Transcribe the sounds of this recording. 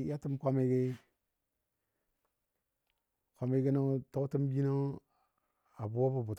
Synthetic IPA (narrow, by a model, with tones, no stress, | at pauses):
ja˦ti˦mkʷa˦me˦ɡe˦ | kʷa˦me˦ɡi˦no˦to˦kti˦m˦bi˦no˦ | a˨bu˨wo˦bu˨bu˨t